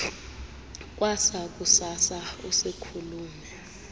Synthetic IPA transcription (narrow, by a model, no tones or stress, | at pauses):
k̬ʼwasak̬ʼusasausekʰuluːmɛ